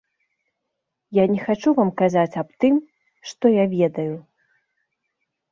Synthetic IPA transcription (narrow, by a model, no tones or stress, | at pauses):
janʲɛxat͡ʂuvamkazat͡sʲapt̪ɨm | ʂt̪ɔjavʲɛd̪ɐju